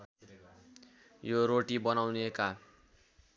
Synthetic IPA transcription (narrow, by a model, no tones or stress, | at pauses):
joɾoʈibʌnawneka